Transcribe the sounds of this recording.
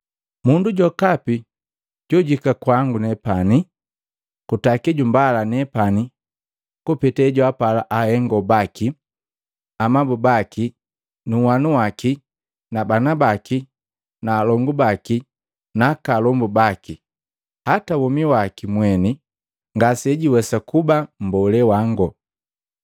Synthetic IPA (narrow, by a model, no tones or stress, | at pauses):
munduɟɔkapi | ɟ̥ɔɟikakwaŋɡunɛpani | kutakiɟumbalanɛpani | kupitɛɟuapalaʔahɛŋɡɔbaki | amabubaki | nuwanuwaki | nabanabaki | naːlɔŋɡubaki | nakalɔmbubaki | hatawɔmiwakimwɛni | ŋɡasɛɟiwɛsakubam̩bɔlɛwaŋɡɔ